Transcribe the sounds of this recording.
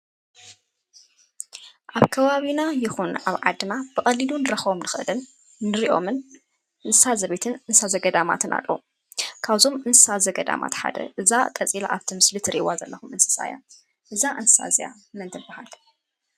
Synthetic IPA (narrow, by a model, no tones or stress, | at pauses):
ʔaβkʰɐβaβinajɪxunaβʕad̪ɨnab̥ɨxʼɐlːilunɨɾɐxβomnɨxɨʔɨlɨnː | ɨɾiʔo̞̰mɨn | ʔɨnsɨsazɐβet̪ʰɨnɨnsazɐɡɐd̪ama̰t̪ʰɨnʔa̰lːɐ̰u | kʰaβzo̞mɨnsɨsazɐɡɐd̪a̰mʔa̰t̪ħa̰d̪ɐ̰ʔɨzakʼɐt͡sʼila̰ʔa̰βt̪ʰimɨslit̪ʰɨɾiwazɐlːɐxumɨnsɨ̥sa̰ja̰ | ʔɨzaʔɨnsɨ̥sa̰zḭja̰ | mɨnt̪ʰɨbahal